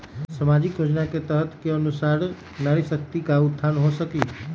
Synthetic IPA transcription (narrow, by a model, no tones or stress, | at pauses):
səmad͡ʒɪkjoːd͡ʒnaket̪əɦət̪keənusaːɾ | naɾisək̚t̪ikaʊt̪ʰːanɦosəki